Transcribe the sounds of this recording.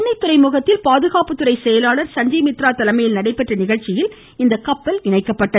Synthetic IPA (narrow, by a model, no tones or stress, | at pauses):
nɐɪt̪ːɯɾɐɪmʊɣɐt̪ːɪlpaːðɯɣaːpɯt̪ːɯɾɐɪsɛjɐlaːɭɐɾsɐɲd͡ʒɐɪmɪt̪ɾaːt̪ɐlɐmɐjɪlnɐɽɐɪpːɐʈrɐnɪɣɐɻt͡ʃɪjɪl | ɪnd̪ɐkɐpːɐlɪɳɐɪkːɐpːɐʈːɐ